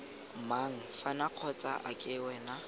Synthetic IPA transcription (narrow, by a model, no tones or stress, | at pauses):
maŋ̩fanaq͡χʰɔt͡sʼa̰ʔakʼɪwɛna